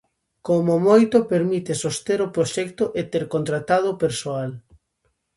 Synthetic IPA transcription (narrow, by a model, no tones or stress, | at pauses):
komomojt̪ʊpeɾmit̪esost̪eɾopɾoʃɛkt̪ʊʔet̪eɾkont̪ɾat̪að̞opeɾsoal